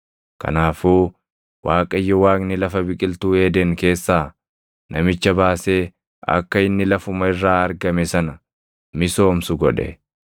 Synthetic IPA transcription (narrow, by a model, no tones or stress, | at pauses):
kɐ̰naːfuː | waːkʼɐjːɔwaːknɪlɐfɐbɪkʼɪlt̪uːeːd̪ɛŋke̞ːsːaː | nɐmɪt͡ʃːɐbaːseː | ɐ̰kːɐɪnːɪlɐfʊmɐɪrːaːɐɾɡɐmɛsɐnɐ | mɪso̞ːmsʊɡɔᶑɛ̰